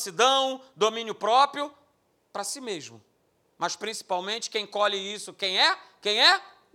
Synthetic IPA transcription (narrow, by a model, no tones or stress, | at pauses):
sid̪ɐ̃w̃d̪omĩnjʊpɾɔpɾjʊ | pɾɐsimeʒmʊ̰ | mɐʃpɾĩsi̥pawmẽnt͡ʃɪ̥kẽj̃kɔlɪisʊkẽj̃ɛkẽj̃ɛ